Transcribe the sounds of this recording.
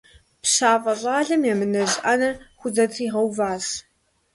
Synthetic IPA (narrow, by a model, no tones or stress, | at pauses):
pɕaːvɐraːɮɐmjamɨnɐʑʔanɐxʷʊzɐtʰiːʁɐwvaːz